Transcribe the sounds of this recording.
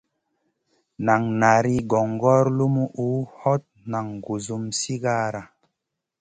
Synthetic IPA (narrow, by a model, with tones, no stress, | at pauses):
na˨ŋna˨ɾi˦ɡɔ˨ŋ˨ɡɔ˦ɾlu˦mu˦ʔu˨˦hɔ˦t̚na˨ŋɡu˨zu˦msi˦ɡa˦ɾa˨